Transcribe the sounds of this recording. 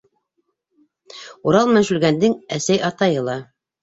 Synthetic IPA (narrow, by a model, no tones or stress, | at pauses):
uɾɑlˠmænʃʉlɡænd̪ɘŋæsæjɑt̪ɑjɤlˠɑ